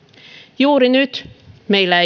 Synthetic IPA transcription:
juːɾɪnʉt̪mɛɪla

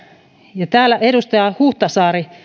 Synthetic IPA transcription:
jɑt̪æːlːæʔeɾust̪ɑjɑhuht̪ɑsɑːri

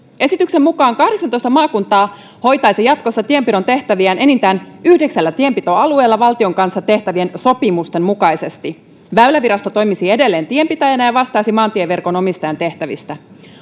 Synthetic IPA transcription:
e̞sit̪yksemmukɑːŋkɑhde̞ksɑnt̪o̞jst̪ɑmɑːkunt̪ɑː | ho̞jt̪ɑjsijɑt̪ko̞sːɑt̪ie̞mpiɾo̞nt̪e̞ht̪æʋiænʔe̞nint̪æːnyhdeksælːæt̪ie̞mpit̪o̞ɑlue̞ːlːɑʋɑlt̪io̞ŋkɑnsːɑt̪e̞ht̪æʋie̞nso̞pimust̪e̞mmukɑjse̞st̪i | ʋæylæʋiɾɑst̪ot̪o̞jmisie̞de̞lːe̞ːnt̪ie̞mpit̪æjænæjɑʋɑst̪ɑjsimɑːnt̪ieʋerko̞no̞mist̪ɑjɑnt̪e̞ht̪æʋḭst̪æ

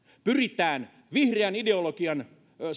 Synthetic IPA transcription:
pyrit̪æːn | ʋihreænideolokiɑn

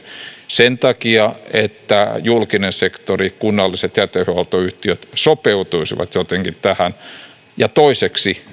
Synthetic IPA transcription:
sent̪ɑkiɑet̪ːæjulkinensekt̪orikunːɑlːiset̪jæt̪ehøɑlt̪oyht̪iøt̪sopeut̪uisiʋɑ̰t̪jot̪eŋkit̪t̪æhæn | jɑt̪oiseksi

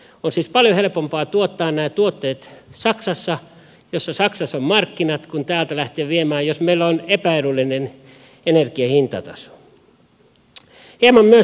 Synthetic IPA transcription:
onsiːspɑljohelpompɑːt̪uot̪ːɑːnnæːt̪uot̪ːeːt̪sɑksɑsːɑ | josːɑsɑksɑsommɑrkːinɑt̪kunt̪æːlt̪ælæht̪eøːʋiemæːjosmeilːonepæerulːinen | enerkiɑhint̪ɑ̰t̪ɑ̰so̥ | hiemɑmmyø

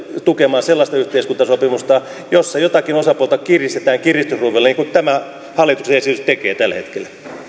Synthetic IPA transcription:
t̪ukemɑːselːɑst̪ɑyht̪eiskunt̪ɑsopimust̪ɑ | josːɑjot̪ɑkinosɑpuolt̪ɑkirist̪et̪æːŋkirist̪usruːʋelːɑniːŋkut̪æmæ | hɑlːˑit̪uksejɑsit̪ekeːt̪ælhḛt̪kel

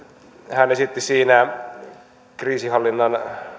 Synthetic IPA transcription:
hænesit̪ːisiːnæ | kriːsihɑlːinːɑn

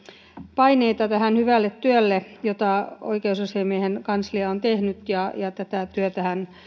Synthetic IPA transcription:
pɑineit̪ɑt̪æhænhyʋælːet̪t̪yølːejot̪ɑo̰ikeususemiehenkɑnsliɑont̪ehnyt̪jɑjɑt̪æt̪æt̪yøt̪æhæn

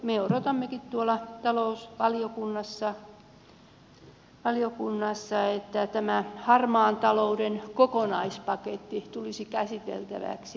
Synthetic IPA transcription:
meoɾot̪ɑmːekit̪t̪uolɑt̪ɑlousʋɑliokunːɑsːɑ | ʋɑliokunːɑsːɑet̪ːæt̪æmæhɑrmɑːnt̪ɑloudenkokonɑispɑket̪ːit̪ulisikæsit̪ḛlt̪æ̰ʋæ̰ksi

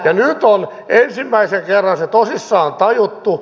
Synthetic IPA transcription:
jɑnyt̪on | ensimːæiseŋkerːɑnset̪osisːɑːnt̪ɑjut̪ːu

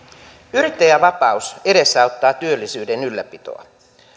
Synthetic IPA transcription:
yɾit̪ːejæʋɑpɑuse̞de̞sːɑut̪ːɑːt̪yølːisyːde̞nylːæpit̪o̰ɑ̰

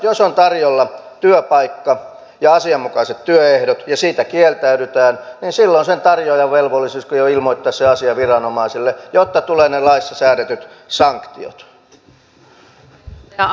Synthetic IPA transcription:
josont̪ɑrjolːɑ | t̪yøpɑikːɑ | jɑɑsiɑmmukɑset̪t̪yøehdot̪jɑsiːt̪ækielt̪æyɾyt̪æːnniːnsilːonsent̪ɑrjoːjɑʋʋelʋolːisiskojoilmoit̪ːɑsseɑsiɑʋirɑnomɑisilːejot̪ːɑt̪uleːnelɑisːɑsæːɾet̪yt̪ | sɑŋkt̪io̰t̪

